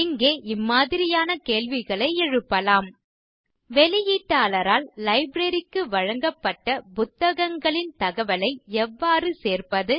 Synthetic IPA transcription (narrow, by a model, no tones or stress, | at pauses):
ɪŋɡeːʔɪmːaːðɪɾɪjaːnɐkeːlʋɪɣɐɭɐɪɛɻɯpːɐlaːm | ʋɛlɪjiːʈːaːlɐɾaːlːɐɪbɾɐɾɪkːɯʋɐɻɐŋɡɐpːɐʈːɐpʊt̪ːɐɣɐŋɡɐɭɪnt̪ɐɣɐʋɐlɐɪɛʋːaːrɯseːrpɐðɯ